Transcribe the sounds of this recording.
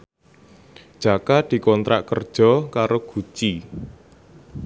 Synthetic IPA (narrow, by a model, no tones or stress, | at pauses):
d̥ʒ̥a̤kad̪̥i̤kɔnt̪ɾa̰ʔkərd̥ʒ̥ɔ̤kaɾoɡ̥ṳt͡ʃi